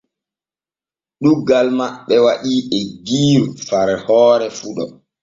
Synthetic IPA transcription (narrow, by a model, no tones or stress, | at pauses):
ɗuɡalmaɓɛwaɗiːʔɛɡiːɾufaɾɛhɔːɾɛfuɗɔ